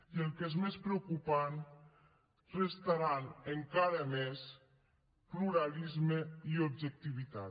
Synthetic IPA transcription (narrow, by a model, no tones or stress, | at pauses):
iəlˠkezmespɾeukupan | rest̪aɾanəŋkaɾəmes | pluɾalizməiubʒək̚t̪iβ̞it̪a